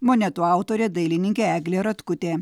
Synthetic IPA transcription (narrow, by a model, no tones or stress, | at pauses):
moːnʲɛt̪uɑˑʊt̪oːɾʲeːd̪ɐɪlʲɪnʲɪŋʲkʲeæːɡlʲeːɾɐt̪kʊt̪ʲeː